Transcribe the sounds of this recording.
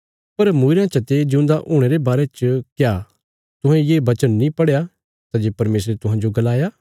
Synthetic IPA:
pɐɾmuːɾjãt͡ʃɐt̪ed͡ʒeʊ̃nd̪aʔʊːɽ̃eːɾebaːɾet͡ʃkjaː | t̪ʊɦɛ̃jeːbɐt͡ʃənːĩpɐɽeja | t̪ad͡ʒeːpɐɾmeːs̬ɾet̪ʊɦãːd͡ʒoɡɐlaːjaː

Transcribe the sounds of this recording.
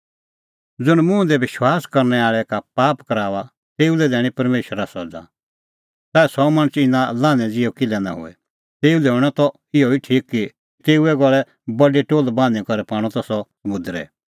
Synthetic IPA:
d͡zʊɽ̃mʊ̃d̪ɛʋɪʃwaːskɐɾnɛaːɭɛkapaːpkɐɾaːʋa | t̪eːulɛd̪ɛːɽ̃ĩpɐɾmeːʃəɾasɔd͡za̰ | t̪aːɛsɔmɐ̃ñət͡sɪnãlãːnɛ̃d͡zɪjokɪlɛna̰ɦʊ̰ɛ̰ | t̪eːulɛɦʊɽ̃ɔt̪ɔ | ɪɔiʈʰiːkːi | t̪eːuɛɡɔɭɛ | bɐɖeʈoːlbãːnɛ̃kɔɾɛpaːɽ̃ɔt̪ɔsɔsɐmʊ̃d̪ɾɛ̰

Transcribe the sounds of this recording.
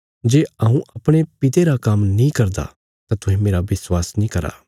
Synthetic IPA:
d͡ʒeːɐːũʔɐpɽ̃epɪt̪eɾakɐmnĩkɐɾd̪a̰ | t̪at̪ʰʊɦẽmeːɾaʋɪswaːsnĩkɐɾa̰ː

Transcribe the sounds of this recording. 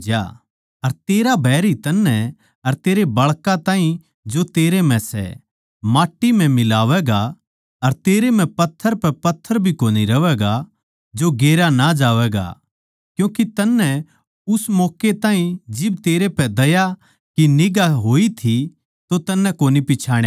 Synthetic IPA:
d͡ʒja̰ | ɐɾt̪eːɾabʱɛːɾit̪ɐnːɛ | ɐɾt̪eːɾebɐɭkat̪ãːĩ | d͡ʒot̪eːɾemɛ̃sɛ̰ | maːʈːimɛ̃mɪlaːʋɛːɡa | ɐɾt̪eːɾemɛ̃pɐt̪ʰːəɾpɛpɐt̪ʰːəɾbʱikoːniɾɐʋɛːɡa | d͡ʒoɡeːɾanad͡ʒaːʋɛːɡa̰ | kjũːkit̪ɐnːɛ | ʊsmɔːket̪aːɦĩd͡ʒɪb̚t̪eːɾepɛd̪ɐja | kinɪɡaɦoːit̪ʰi | t̪ot̪ɐnːɛ̃koːnipɪt͡ʃʰaːɽ̃ja

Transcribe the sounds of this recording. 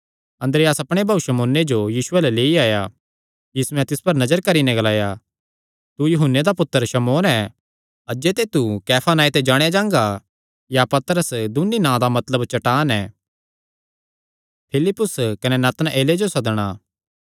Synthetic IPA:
ɐ̃nd̪ɾejaːsɐpɽ̃ebʱaːuʃɐmoːnːed͡ʒojiːsʊɛːlɛleːiaːja | jiːsɛ̃t̪ɪspɐɾnɐd͡ʒəɾkɐɾinɛ̃ɡɐlaːja | t̪ujʊɦʊnːed̪apʊt̪ːəɾʃɐmoːnɛ | ɐd͡ʒet̪et̪ukɛːpʰaːnaːit̪ɛd͡ʒaːɽ̃ejad͡ʒãːŋɡa | japɐt̪əɾəsd̪ʊnːinãːd̪amɐt̪ləbt͡ʃɐʈaːnɛː | pʰɪlɪpːʊskɐnɛnaːt̪ənʔeːled͡ʒosɐd̪ɽ̃aː

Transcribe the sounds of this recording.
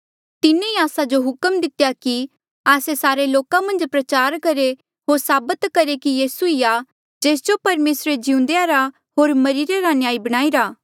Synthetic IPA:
t̪ɪnẽiaːsad͡ʒoɦʊkəmd̪ɪt̪jaki | aːsesaːɾeloːkãmɐ̃nd͡ʒpɾɐt͡ʃaːɾkɐɾe | ɦoːɾsaːbət̪kɐɾekijiːsuija | d͡ʒeːs̬d͡ʒopɐɾmeːsɾed͡ʒɪũnd̪eaɾa | ɦoːɾmɐɾiːɾeɾanɪjaːibɐɽ̃aːiɾaː

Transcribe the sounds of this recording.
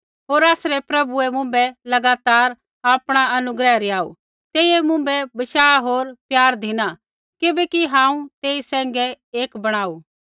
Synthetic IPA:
ɦoːɾaːsɾɛpɾɐbuɛmʊ̃ːmbɛlɐɡaːt̪aːɾ | aːpɽ̃aɐnʊɡɾɛɾɪaːṵ | t̪eːiɛmʊ̃mbɛbɐʃaːɦoːɾpjaːɾd̪ʱɪna | kɪbɛkiɦãːũt̪eːisɛ̃ːŋɡɛ | eːkbɐɽ̃aːuː

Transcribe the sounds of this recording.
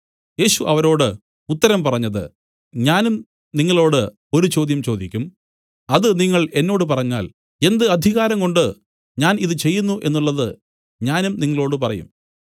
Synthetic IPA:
je̞ːɕuʔɐʋɐɾo̞ːɽɨ | ut̪ːɐɾɐmpɐrɐɲːɐðɨ̰ | ɲaːnum | niŋːɐɭo̞ːɽɨ | o̞ɾut͡ɕo̞ːd̪jɐmt͡ɕo̞ːd̪ikʲːum | ɐðɨniŋːɐɭe̞nːo̞ːɽɨpɐrɐɲːa̰ːl | e̞nd̪ɨɐd̪ʱiɣaːɾɐŋko̞ɳɖɨ | ɲaːniðɨt͡ɕe̞jːunːuʔe̞̰nːuɭːɐðɨ | ɲaːnumniŋːɐɭo̞ːɽɨpɐrɐ̰jṵm

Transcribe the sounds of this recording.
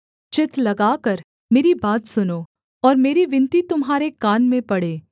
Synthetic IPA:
t͡ʃɪt̪lɐɡaːkɐɾ | meːɾibaːt̪sʊno | ɔːɾmeːɾiʋɪ̃nt̪it̪ʊmɦaːɾekaːnmẽpɐɽeː

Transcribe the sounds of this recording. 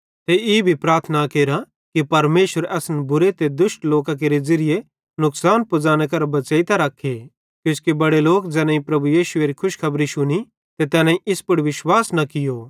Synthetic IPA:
t̪eiːbʱipɾaːɾt̪ʰnakeːɾa | kipɐɾmeːʃəɾɛːsnbʊɾet̪ed̪ʊsʈloːkãk̬eːɾed͡ʒɐɾɪje | nʊksaːnpʊd͡zaːnekɐɾbɐt͡ʃeːit̪aɾɐkʰːe | kjʊ̃skebɐɽeloːkd͡ʒɛːnãĩpɾɐbujiːʃʊeːɾikʰʊʃkʰɐbɾiʃʊni | t̪et̪ɛːnãiʔɪspʊɽʋɪʃwaːsnɐkɪjoː

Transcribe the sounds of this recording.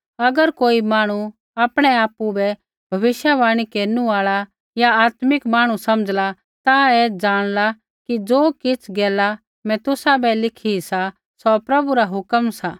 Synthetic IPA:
ɐɡəɾkoːimaːɽ̃u | aːpɽ̃ɛaːpubɛ | bʱɐʋɪʃjaʋaːɽ̃ikeːɾnuaːɭa | jaaːt̪mɪkmaːɽ̃usɐməd͡zla | t̪aɛd͡ʒaːɽ̃la | kid͡zoːkɪt͡sʰɡɛːla | mɛ̃t̪ʊsabɛlɪkʰisa | sɔpɾɐbuɾaɦʊkəmsaː

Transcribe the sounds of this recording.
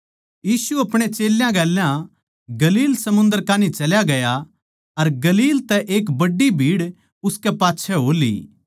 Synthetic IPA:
jiːsuɐpɽ̃et͡ʃeːljãɡɛːljã | ɡɐliːlsɐmʊ̃nd̪əɾkaːnit͡ʃɐljaɡɐja | ɐɾɡɐliːlt̪ɛʔeːk̬bɐɖːibʱiːɽ | ʊskɛpaːtːʃʰɛɦoːlḭː

